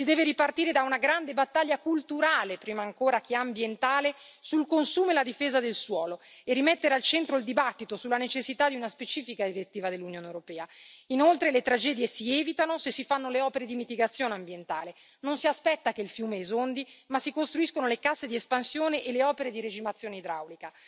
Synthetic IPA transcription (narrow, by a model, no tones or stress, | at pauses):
sid̪ɛːveɾipart̪iːɾed̪aunaɡɾand̪ebat̪ːaʎːakult̪uɾaːlepɾiːmaːŋkoːɾakeambjent̪aːle | sulkonsuːmoelad̪ifeːzad̪elswɔːlo | erːimɛt̪ːeɾealt͡ʃɛnt̪ɾoild̪ibat̪ːit̪osulːanet͡ʃesːit̪ad̪ːiunaspet͡ʃiːfikad̪iɾet̪ːiːvad̪elːunjoːnewɾopɛːainolt̪ɾelet̪ɾad͡ʒɛːd̪jesiɛːvit̪anosesːifanːoleɔːpeɾed̪imit̪iɡat̪sːjoːneambjent̪aːle | nonsiaspɛt̪ːakeilfjuːmeɛzond̪imasːikost̪ɾuiskonolekasːed̪iespansjoːneʔelːeɔːpeɾed̪iɾed͡ʒimat̪sːjoːneid̪ɾa̰wlika